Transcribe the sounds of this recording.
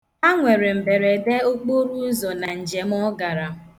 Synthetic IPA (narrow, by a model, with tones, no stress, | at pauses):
a˦ŋʷe˨ɾe˨m̩˨be˨ɾe˨de˦o˦k͡po˦ɾu˦zɔ˨na˨n̩˨d͡ʒe˨m˦ɔ˦ɡa˨ɾa˨